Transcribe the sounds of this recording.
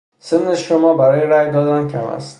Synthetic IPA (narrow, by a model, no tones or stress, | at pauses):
semneʃomɒːbæɾɒːjeɾæjd̪ɒːd̪æncʰæmæ̰st̪